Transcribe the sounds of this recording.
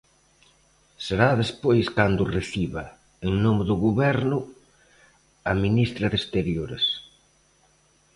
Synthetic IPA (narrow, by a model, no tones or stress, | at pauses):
seɾaðespojskand̪ʊreθiβɐ | eŋnomɪðʊɣuβɛɾnʊ | ɐminist̪ɾɐðest̪eɾjoɾḛs